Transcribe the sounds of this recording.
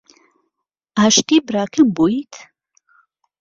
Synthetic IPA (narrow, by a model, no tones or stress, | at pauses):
aːʃt̪iːbɾaːkʰɨmbujit̪ʰ